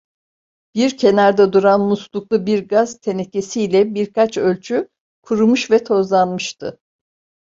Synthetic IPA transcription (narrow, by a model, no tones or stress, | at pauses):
b̥iɾcʰe̞naɾd̪ɛd̪uɾanmuslˠuklˠubiɾɡaz̥t̪ʰe̞nece̞siːlʲɛbiɾkʰat͡ʃølʲt͡ʃʰy | kʰuɾumuʃvɛt̪ʰo̞zlˠanmɯʃt̪ʰɯ̰